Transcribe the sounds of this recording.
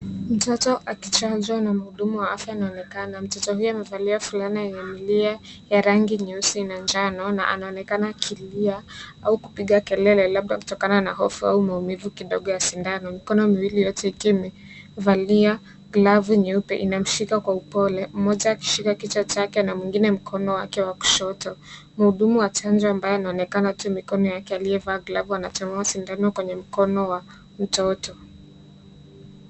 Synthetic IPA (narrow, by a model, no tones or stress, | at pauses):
m̩tɔtɔʔakit͡ʃanzwanam̩huɗumuwaafjaːnaɔnɛkanam̩tɔtɔhujuamɛvaliafulanijajɛmilia | jaɾaŋɡiɲusinand͡ʒanɔna̰ʔa̰naɔnɛkanakʰiliaauku̥piɠakɛlɛlɛlaɓ̚ɗaku̥tɔkananaɦɔfua̰umaumivukiɗɔɠɔjasindanɔmikɔnɔmiwilijɔtɛikimɛ | valia | ɡlavuɲɛupɛʔinam̩ʃikakwaupɔlɛm̩mɔʄaːki̥ʃikakit͡ʃat͡ʃakɛnamwiŋɡinɛm̩kʰɔnɔwa̰kɛwaku̥ʃɔtɔ | m̩huɗumuwat͡ʃand͡ʒɔambajɔanaɔnɛkanatumikɔnɔjakɛalijɛvaːɡlavuanat͡ʃɛmɛasindanɔkwɛɲɛm̩kɔnɔwa | m̩tɔtɔ